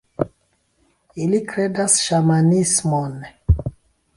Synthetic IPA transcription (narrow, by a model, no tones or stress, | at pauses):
ilikɾedasʃamanismonɛ